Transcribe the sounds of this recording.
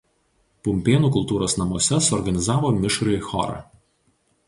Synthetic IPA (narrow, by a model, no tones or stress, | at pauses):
pʊmʲpʲeːnuːkʊlˠt̪uːɾoːsnɐmuɔsʲɛsʊɔɾɡɐnʲɪzɑːʋoːmʲɪʃɾɐxɔ̰ɾɐ̰